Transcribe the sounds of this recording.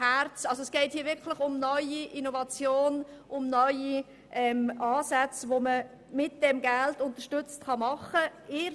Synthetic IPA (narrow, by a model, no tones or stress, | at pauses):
æɾt͡sɑlsoɛsɡ̥ɛɪthiːɐvɪɾkʰlɪχʊmnœʏiʔinovɑt͡sjoːnʔʊmnœʏi | ʔɛmɑːsæt͡svomə | mɪt̚d̥ɛmɡæltʊntəʃtʏt͡stχɑmɑχəɪ